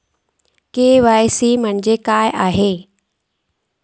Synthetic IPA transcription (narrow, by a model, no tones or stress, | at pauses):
keːʋaːjsimə̃ɲ̃d͡ʑekaːjʔaːɦeː